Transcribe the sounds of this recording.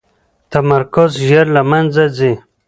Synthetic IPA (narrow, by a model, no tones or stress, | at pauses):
t̪amaɾkʊzʒeɾlamand͡zad͡zi